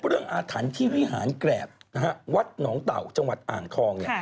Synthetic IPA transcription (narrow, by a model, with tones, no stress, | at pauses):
ɾɯ˥˩əŋʔaː˧t̪ʰaː˩˦nt̪ʰiː˥˩wi˦˥ɦa̰ː˩˦nklɛː˨˩p̚n˧ɦa˦˥wa˦˥t̪̚nɔː˩˦˥ŋt̪a̰˨˩wt͡ɕa˧ŋwa˨˩t̪̚ʔa̰ː˨˩ŋt̪ʰɔː˧ŋni˧˩